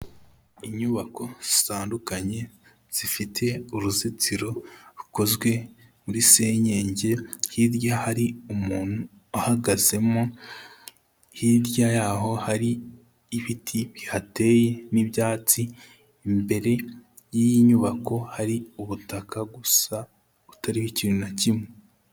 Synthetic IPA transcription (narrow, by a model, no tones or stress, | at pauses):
iɲuβako̞z̥i̥taːndukaɲe̞ | z̥ifitʰe̞uɾuzit͡siɾo̞ɾuko̞zɡwe̞muɾise̞ːɲe̞ːɲɟe̞hiɾjahaɾiumuːn̥hu | ahaɡaze̞mo | hiɾjajaːɦo̞haɾiː | βitʰiβihate̞je̞nibjaːt͡siː | mbe̞ɾe̞ | jijiɲuβako̞haɾiuβutakaɡusa | βutaɾihicinunacime